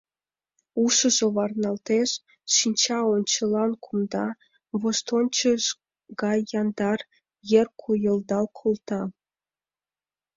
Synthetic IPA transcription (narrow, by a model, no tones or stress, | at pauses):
uʃə̆ʒŏβɑrnɑlt̪eʃː | inʲt͡ɕɑonʲt͡ɕə̆lɑnkʰumd̪ɑ | βoʃt̪onʲt͡ɕəʒ | ɡɑjɑnd̪ɑr | jerkʰujə̆ld̪ɑlkʰolt̪ɑ